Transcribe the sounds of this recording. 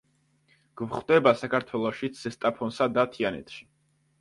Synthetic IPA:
ɡ̥vχwd̪ɛbasakʰaɾt̪ʰwɛlˠɔʃisɛst̪ʼapʰɔnsad̪at̪ʰianɛ̰t̪ʰʃi̥

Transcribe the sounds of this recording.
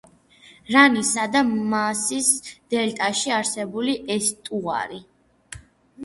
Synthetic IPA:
ɾanisad̪amasisd̪̥ɛlt̪ʼaʃiaɾsɛbuliʔɛst̪ʼua̰ɾi

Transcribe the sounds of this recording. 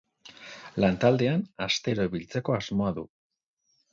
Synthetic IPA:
lant̪ald̪e̞anast̪e̞ɾo̞βilt͡se̞ko̞azmo̞aðṵ

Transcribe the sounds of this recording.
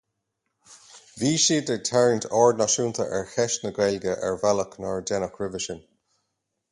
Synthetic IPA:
viːʃiːd̪ət̪ʰɛɹɪnt̪ʰɔːɹdnaʃuːnt̪ʰə̰ʔɛɹxɛʃnəɡɾɛlɡəʔɛ̰ɹvaləknɔɹdɛnəkʰɹɪvɪʃən

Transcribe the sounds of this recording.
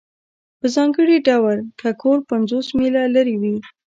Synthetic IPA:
pəzɑŋɡəɽiɖawaɾkʰakʰoɾpanzosmelalaɾiwi

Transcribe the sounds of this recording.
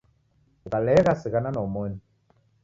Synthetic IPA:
kalɛɣasɪɣananɔmɔni

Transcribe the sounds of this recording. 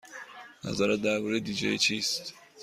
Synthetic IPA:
næ̰zaːɾæt̪̚d̪æɾbuɾed̪id͡ʒɛ̰it͡ʃʰist̪

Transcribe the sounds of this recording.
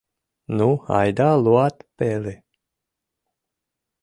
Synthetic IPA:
nua̰jd̪aluat̪peli

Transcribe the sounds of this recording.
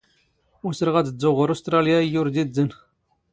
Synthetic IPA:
ʊsəɾəʁæt͡səd͡zːʊʁəɾost̪ɾˤɑljaijʊɾd̪izːən

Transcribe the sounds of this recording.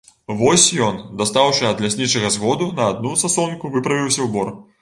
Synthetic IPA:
vɔsʲjɔnd̪ast̪awʂɨɐd̪lʲasʲnʲit͡ʂɐɣɐzɣɔd̪unɐːd̪̚nusasɔnkuvɨpɾɐvʲiwsʲɐwbɔr

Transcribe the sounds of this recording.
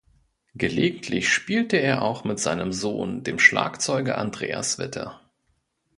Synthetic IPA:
ɡ̥əleːɡŋ̩tʰlɪçʃpiːltəeːɐʔaʊxmɪtz̥aɪnəmzoːndeːmʃla̰ːkt͡sɔʏɡə̰ʔandʁḛːa̰sv̥ɪtʰɐ̰

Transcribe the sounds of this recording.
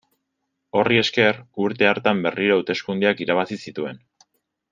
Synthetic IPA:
o̞rie̞ske̞ruɾt̪e̞aɾt̪ambe̞riɾouwt̪e̞skund̪eakiɾaβasisit̪ue̞n

